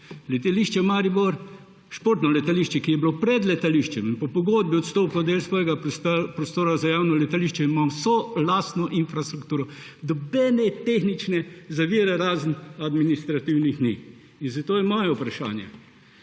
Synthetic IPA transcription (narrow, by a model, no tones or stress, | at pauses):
lɛt̪aliʃt͡ʃɛmaːɾiboɾ | ʃpoːɾt̪nɔlɛt̪aliʃt͡ʃɛkijɛbilopɾɛd̪lɛt̪aliʃt͡ʃɛminpɔpɔɡod̪̚biɔt̪st̪oːplɔd̪eːlsʋɔːjɛɡapɾɔst̪oːɾazajaːwnɔlɛt̪aliːʃt͡ʃɛinimamsɔlast̪nɔʔinfɾast̪ɾukt̪uːɾɔ | d̪ɔbɛːnɛt̪exnit͡ʃnɛzaʋiːɾɛɾaːznad̪minist̪ɾat̪iwnixni | inzat̪oːjɛmɔːjɛupɾaʃa̰ːnjɛ̰